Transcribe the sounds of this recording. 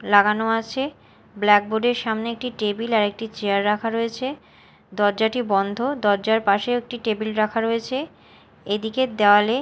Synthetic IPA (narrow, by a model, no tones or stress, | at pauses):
laɡanoat͡ɕʰe | blɛk̚boɖeɾʃamneek̚ʈiʈebilaɾek̚ʈit͡ɕeaɾːakʰaɾoet͡ɕʰe | d̪ɔɾd͡ʑaʈibɔnd̪ʱod̪ɔɾd͡ʑaɾpaʃeek̚ʈiʈebilɾakʰaɾoet͡ɕʰe | ed̪iked̪eoale